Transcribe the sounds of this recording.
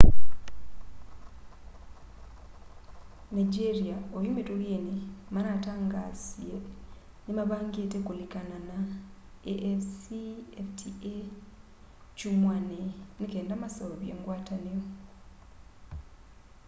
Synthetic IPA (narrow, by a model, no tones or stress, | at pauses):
naɟeɾiaojumetoɣenimanataːŋɡaːzje | nimaβaːŋɡetekolikanana | eʔfsieftʰie | t͡ʃumwanenikeːndamasooβjḛːŋɡwaːtanijo